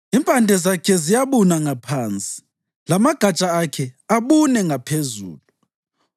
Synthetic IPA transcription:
impʼandʱɛzakʰɛzijaβunaŋapʰaːnt͡sʼi̥ | lamaɡ̥ʱat͡ʃʼaakʰɛaβunɛŋapʰezṵːlu

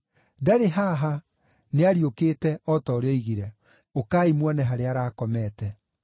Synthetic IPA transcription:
daɾeɦaɦa | neaɾiokeːtɛʔɔtɔɾeɔiɣiɾɛ | okaːimwanɛɦaɾeaɾaːkɔmɛːtɛ

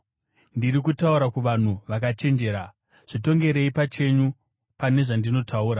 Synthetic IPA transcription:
ndiɾikutauɾakuʋan̤uʋakat͡ʃe̞nd͡ʒe̞ːɾa | ʐ̥ito̞ŋɡe̞ɾe̞ipat͡ʃe̞ɲu | pane̞ʐandino̞tʰauːɾa

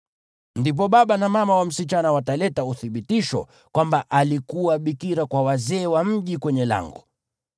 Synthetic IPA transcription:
ndip̬ɔɓaɓanamamawam̩sit͡ʃanawatalɛtauθiɓitiʃɔ̰ | kwambaʔalikuwaɓikiɾakwawazɛːwam̩ʄikwɛɲɛla̰ŋɡɔ

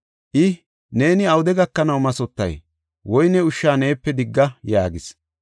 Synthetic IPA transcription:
ʔɪ | ne̞ːnɪɐwʊd̪ɛɡɐkːɐnɐwmɐsɔt̪ːɐ̰j | wɔjnɛʊʃːaːne̞ːpːɛd̪ɪɡːɐjaːɡɪs

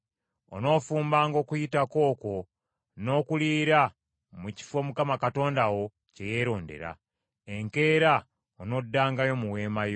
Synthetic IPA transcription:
o̰no̞ːfuːmbaːŋɡo̞ːkujitako̞ːko̞ | no̞ːkuliɾa | muci̥fwo̞ːmukamakato̞ːndawo̞ | ce̞je̞ːɾo̞ːnde̞̰ɾa̰ | e̞ŋke̞ːɾa | ono̞dːaːŋɡajo̞muwe̞ːmajo

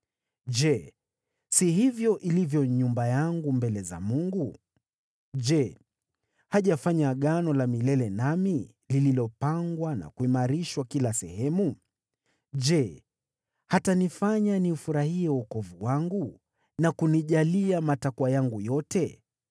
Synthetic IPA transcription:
d͡ʒɛ | sihivjɔʔilivjɔɲumbajaŋɡumbɛlɛza̰muŋɡu | ʄɛ | haʄafaɲaɠanɔlamilɛlɛnami | lililɔpaŋɡwana̰kuimaɾiʃwakilasɛ̰hɛmu | ʄɛ | hatanifaɲaniufuɾahiɛukɔvuwaŋɡu | nakuniʄaliamatakwajaŋɡujɔtɛ

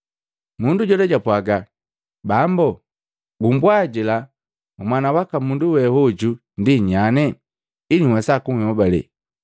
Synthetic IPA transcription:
munduɟɔdɛɟapwaɡa | bambɔ | ɡumbwaɟila | mumwanawakamunduwɛhɔd͡ʒu | ndiɲanɛ | iniwɛsakuŋhɔbalɛ̰

